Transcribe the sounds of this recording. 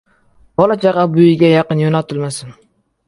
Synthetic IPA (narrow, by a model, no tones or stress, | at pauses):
b̥ɒlˠat͡ʃʰɑʁɑbʊjɪɡʲajɑqɨnjonat̪ʰɪlmasɪn